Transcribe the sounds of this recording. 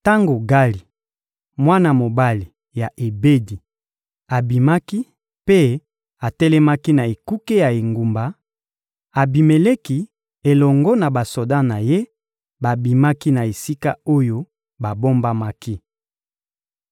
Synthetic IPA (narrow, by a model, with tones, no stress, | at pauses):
ta˦ŋɡo˨ɡa˦li˨ | mwa˦na˦˨mo˨ba˦li˨ | ja˨ʔe˨be˦di˨ | a˨bi˨ma˦ki˦ | pe˦ | a˨tɛ˦lɛ˦ma˦ki˦na˨e˨ku˦ke˦ja˨e˨ŋɡu˨mba˨ | a˨bi˨me˨le˦ki˦ | e˨lɔ˨ŋɡɔ˦na˨ba˨so˨da˦na˨je˦ | ba˨bi˨ma˦ki˦na˨e˨si˦ka˦o˦jo˦ | ba˨bo˦mba˦ma˦ki˦